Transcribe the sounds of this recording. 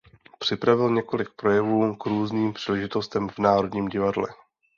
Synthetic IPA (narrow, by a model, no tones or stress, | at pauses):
pr̝̥ɪpɾavɪlɲɛko̞lɪk̚pɾo̞jɛvuːkɾuːzniːmpr̥iːlɛʒɪt̪o̞st̪ɛmvnaːɾo̞dɲiːmɟɪvadlɛ̰